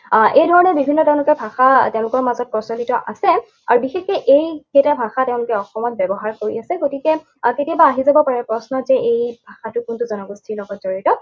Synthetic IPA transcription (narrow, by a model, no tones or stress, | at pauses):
ʔejdʱɔɹɔnɛbibʱinːɔtɛʊ̃lʊkɛbʱaxateʊ̃lʊkɔɹmazɔt̚pɔsɔlitɔʔa̰sɛ | a̰ɹubixexɛʔejketabʱaxateʊ̃lʊkɛɔxɔmɔt̚bɛbɔɦaɹkoɹiasɛɡotikɛ | ketijabaːɦizabɔpaɹɛpɹɔsnɔzɛejbʱaxatʊkʊntuzɔnɔɡustʰilɔɡɔtzoɹitɔ